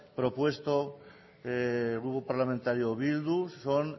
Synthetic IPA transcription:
pɾopwe̞st̪o | ɣɾupopaɾlamẽnt̪aɾjoβild̪usson

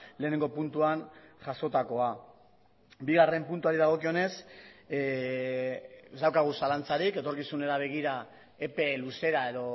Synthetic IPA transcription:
le̞ːne̞ŋɡo̞punt̪uanʝaso̞t̪ako̞a | biɣare̞mpunt̪uaɾiðaɣ̞o̞kio̞ne̞s | zd̪awkaɣ̞usalant͡saɾike̞t̪o̞ɾkisune̞ɾaβ̞e̞ɣ̞iɾa | e̞pe̞luse̞ɾae̞ðo̞

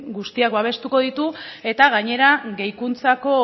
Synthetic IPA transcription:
ɡust̪iak̚baβ̞e̞st̪uko̞ð̞it̪ue̞t̪aɣaɲe̞ɾaɣe̞jkunt͡sako̞

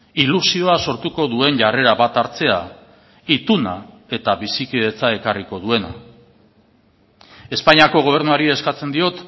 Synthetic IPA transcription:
ilusio̞aso̞ɾt̪uko̞ðue̞nʝare̞ɾaβat̪aɾt͡se̞a | it̪una | e̞t̪aβisikiðe̞t͡sae̞kariko̞ðue̞na | e̞spaɲiako̞ɣ̞o̞β̞e̞ɾnuaɾie̞skat͡se̞nd̪io̞t̪

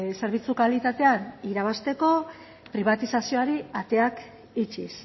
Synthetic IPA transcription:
se̞ɾβit͡sukalit̪at̪e̞aniɾaβ̞ast̪e̞ko̞ | pɾiβ̞at̪isasio̞aɾiat̪e̞ak | it͡ʃis

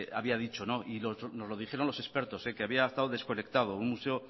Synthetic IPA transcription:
a̰βiað̞it͡ʃo̞no̞ʔilosno̞zlo̞ð̞ixe̞ɾo̞nlo̞se̞spe̞ɾt̪o̞sekeaβiaest̪aðoðe̞sko̞ne̞kt̪að̞o̞unmuse̞o

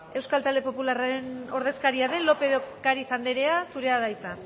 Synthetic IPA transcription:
e̞wskalt̪ald̪e̞po̞pularaɾe̞no̞ɾðe̞skaɾiaðe̞nlo̞pe̞ðokaɾiθand̪eɾe̞asuɾe̞aðajt͡sa

